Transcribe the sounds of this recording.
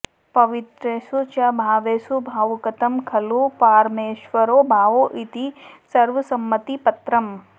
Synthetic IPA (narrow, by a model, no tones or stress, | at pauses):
pɐʋɪt̪ɾesut͡ʃɐbʱaːʋeːsubʱaːʋkɐt̪ɐmkʰɐlupaːɾmeːʃʋɐɾoːbʱaːʋoʔit̪isɐɾʋɐsɐmːət̪ipɐt̪ɾɐm